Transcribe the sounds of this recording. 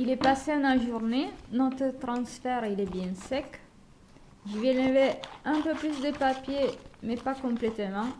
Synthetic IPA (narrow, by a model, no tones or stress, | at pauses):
ilɛpaseãnaʒuʁnenɔt̪χət̪ʁɑ̃sfɛʁilɛbjɛ̃sɛk | ʒivɛlevɛɛ̃pøplysd̪əpapjemɛpakɔ̃plɛt̪mɑ̃